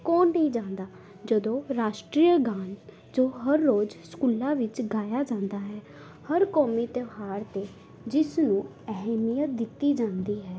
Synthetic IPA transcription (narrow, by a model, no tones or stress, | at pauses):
kõːnːĩːd͡ʒãːnd̪aː | d͡ʒəd̪õːɾaːʃʈɾiːjəɡaːn | d͡ʒoːɦəɾːoːd͡ʒskuːlãːʋɪt͡ʃɡaːjaːd͡ʒãːnd̪aːɦɛː | həɾkɔːmiːt̪əʋɦaːɾt̪eː | d͡ʒɪsnũː | ɛɦɛmijət̪̚d̪ɪt̪ːiːd͡ʒãːnd̪iːɦɛː